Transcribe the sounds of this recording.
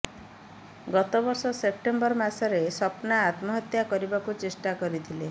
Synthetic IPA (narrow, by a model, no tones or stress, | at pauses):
ɡɔt̪obɔɾsɔsep̚ʈembɔɾmasɔɾesɔpnaːt̪mɔɦɔt̪jakɔɾibakut͡ʃesʈakɔɾit̪ʰile